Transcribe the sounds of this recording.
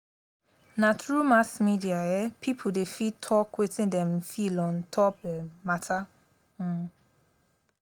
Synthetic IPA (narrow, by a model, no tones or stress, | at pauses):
natɹumasmidiajɛpʰipʰudefitʰɔkwetĩndɛ̃mfilɔ̃ntʰɔp̚dɛmatʰa